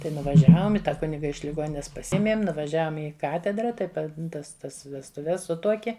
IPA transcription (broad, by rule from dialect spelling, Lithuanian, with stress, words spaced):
ˈtɐɪ nʊʋɐˈʒʲæːʋoːm ɪ ˈtɑː ˈkʊnʲɪɡɐ ɪʃ lʲɪˈɡoːnʲɪnʲɛs pɐˈsʲiɛmʲeːm nʊʋɐˈʒʲæːʋoːm ˈɪ ˈkɑːtʲɛdrɐ tɐɪ ˈpɐ ˈtɐs ˈtɐs ʋʲɛstʊˈʋʲɛs ˈsʊtuɔkʲiɛ